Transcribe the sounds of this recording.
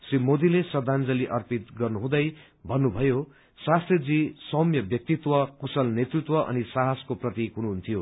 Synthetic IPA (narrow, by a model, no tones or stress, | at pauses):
srimod̪ilesʌd̪ʱand͡zʌliʔʌrpit̪ɡʌrnuɦũd̪ʌj | bʱʌnːubʱʌjo | sast̪red͡zisʌmjʌbjʌk̚t̪it̪wʌkusʌlnet̪rit̪wʌʔʌ̰nisaɦaskoprʌt̪ikunuɦunt̪ʰijo